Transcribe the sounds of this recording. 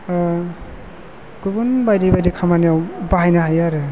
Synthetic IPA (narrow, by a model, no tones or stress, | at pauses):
ɡ̥ɯbɔnbajdejbajdikʰamanijawbaɦajnaɦajaɾɯ